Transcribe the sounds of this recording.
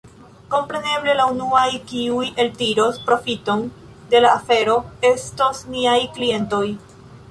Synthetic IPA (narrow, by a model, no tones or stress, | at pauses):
ko̞mpɾe̞ne̞ble̞launuajkiuje̞ltiɾo̞spɾo̞fito̞n | de̞laːfe̞ɾo̞e̞stosniajklie̞nto̞j